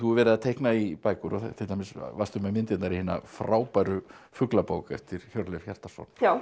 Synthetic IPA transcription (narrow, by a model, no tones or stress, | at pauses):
θuɾvɛɾɪðat̪ʰehknaipaːjkʏɾɔθt̪ʰɪlamɪsvast̪ʏmɛmɪnt̪ɪt̪naɾihɪːna̰fɾaːwpajɾʏ | fʏklapoːwkɛft̪ɪɾ̥çɔwɾlɛfçɛr̥t̪ḁsɔ̰na